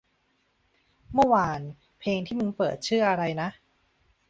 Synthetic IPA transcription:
mɯ˥˩waː˧n | pʰeː˧ŋt̪ʰiː˥˩mɯ˧ŋpɤ̰ː˨˩t̪̚t͡ɕʰɯ˥˩ɐʔa˧ɾa˧jna˦˥ʔ

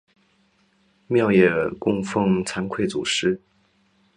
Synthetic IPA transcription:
mjɑ˥˧ʊjɛ˨˩kʊ˥˧ŋfɤ˥˧ŋt͡sʰa˧˥nkʰwe˥˩ɪt͡su˨˩ʂɻ̩˥

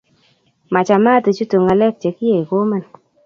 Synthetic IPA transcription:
ma˨t͡ʃa˨ma˦te˨t͡ʃu˦tu˨ŋa˨lɛ˦k̚t͡ʃe˨ki˦je˨i˨ko˦ma˦n

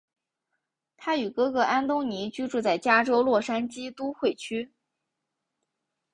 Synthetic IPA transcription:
t̪ʰa˥y˨˩kɤ˥kɤ˧˥ʔa˥nt̪ʊ˥ŋni˧˥t͡ɕy˥ʈ͡ʂu˥˧t͡sa˥˩ɪt͡ɕja˥ʈ͡ʂo˥ʊlwɔ˥˩ʂa˥nt͡ɕi˥t̪u˥xwe˥˩ɪt͡ɕʰy˥

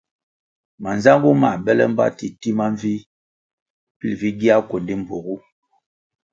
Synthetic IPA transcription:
ma˨nza˦ŋɡu˦ma˨bɛ˦lɛ̰˦m̩˦ba̰˦ti˨ti˦ma˦ɱvi˦ | pi˦lvi˦ɡi˦a˦ko˨ndi˦m̩˨bo˨ɣu˦

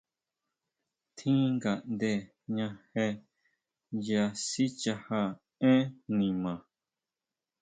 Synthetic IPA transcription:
t̪ʰĩ˦ŋɡa˨ʔnd̪e˧˨ | ɲã˧he˧ | ja˧si˦t͡ʃa˧ha˧ | ẽ˦nĩ˨mã˨

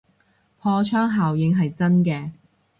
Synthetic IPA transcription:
pʰɔː˧t͡ʃʰœː˥ŋɦaː˨wjɪ˧ŋɦɐ˨jt͡sɐ˥nkɛː˧

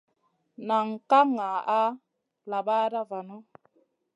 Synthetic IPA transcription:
na˨ŋ˨ka˦ŋa˨a˦ | la˨ba˦da˦va˨no˦

